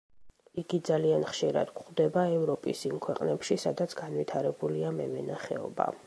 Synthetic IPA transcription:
iɡid̪zalianχʃiɾa̰d̪̥kχd̪ɛbaɛvɾɔpʼisimkʰwɛqʼnɛpʃisad̪at̪sʰɡanvit̪ʰaɾɛbuliamɛvɛnaχɛ̰ɔ̰ba̰

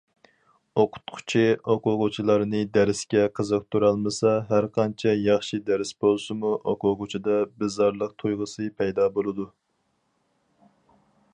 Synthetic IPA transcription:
oqʰʊ̥t̪̚qʰʊ̥t͡ʃʰioqʊʁʊt͡ʃʰilˠɑɾnɨd̪æɾɪskʲɛqʰəzəq̚t̪ʰuɾɑlˠmɨsɑɦæɾqʰɑnt͡ʃʰɛjɑχʃid̪æɾɪsbolˠsɨmuʔoqʊʁʊt͡ʃʰid̪ɑbɨzɑɾlˠəq̚t̪ʰujʁəsɨpʰɛjd̪ɑːbolˠɨd̪u

